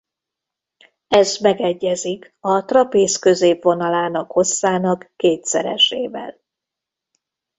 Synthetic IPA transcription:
ɛzmɛɡɛɟːɛzik | ɒt̪rɒpeːskø̞zeːpʋo̞nɒlaːnɒkho̞sːaːnɒkːeːt̪sɛɾɛ̰ʃeːvɛ̰l

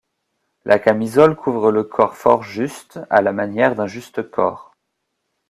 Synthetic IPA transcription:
lʔakamizɔlkʰuvʁələkʰɔʁfɔʁʒyst̪a̰lamanjɛʁd̪ɛ̃ʒyst̪əkʰɔ̰ːʁ

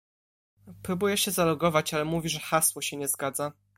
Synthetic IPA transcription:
pɾubujɛɕɛzalɔɡɔvat͡ɕalɛmuvʲiʐɛxaswɔɕɛɲɛzɡad̪za

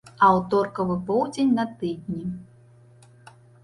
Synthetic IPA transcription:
ɐwt̪ɔrkɐvɨpɔwd͡zʲenʲnɐt̪ɨd̪ʲnʲi

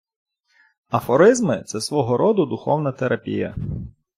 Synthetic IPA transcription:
ɐfɔɾɪzmɪt̪sɛsʋɔɦɔɾɔd̪ʊd̪ʊxɔwnɐt̪eɾʔɐpʲḭjɐ̰

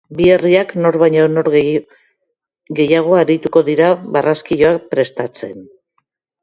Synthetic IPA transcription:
bie̞riakno̞ɾβajɲonoɾɣ | ɡe̞jaɣ̞o̞aɾit̪uko̞ðiɾaβaraskiʎo̞ak̚pɾe̞st̪at͡se̞n

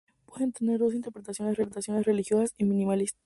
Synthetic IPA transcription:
pweðent̪ene̞ɾd̪o̞s̬int̪eɾpɾet̪asjo̞nesreɾet̪asjo̞nesre̞lixjo̞sasimĩnimalis

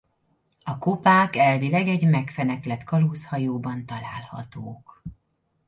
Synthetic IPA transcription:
ɒkopaːkɛlvilɛɡɛɟmɛkfɛnɛklɛt̪kɒlushɒjoːbɒnt̪ɒla̰ːlhɒ̰t̪oːk

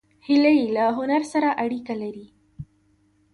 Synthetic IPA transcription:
hɪlajilaɦʊnaɾsaɾaʔaɽikalaɾi

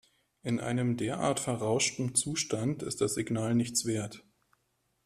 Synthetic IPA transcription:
ʔɪnʔa̰ɪnəmdeːɐʔa̰ːɐtfɛɐʁaʊʃtn̩t͡suːʃtantɪ̰st̚d̥asz̥ɪɡnaːlnɪçt͡sv̥eːɐt

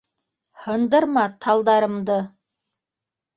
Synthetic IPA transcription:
hɤ̆nd̪ɤ̆ɾmɑt̪ʰɑlˠd̪ɑɾɤ̆md̪ɤ

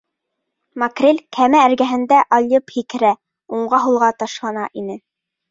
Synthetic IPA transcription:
mɑkrʲelʲkʰæmæːɾɡæɦɘ̆nd̪æʔɑlʲjɤphikɘ̆ɾæ | uɴɢɑɦulˠʁɑt̪ɑʃlˠɑnɑʔinɘ

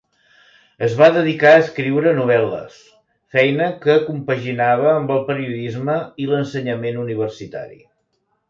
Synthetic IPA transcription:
əzβaðəðikaəskɾiwɾənuβ̞ɛlə̰s | fɛjnəkəkumpəʒinaβ̞əːmbəlˠpəɾiuðizməilənsəɲəmenuniβ̞ərsit̪a̰ɾḭ

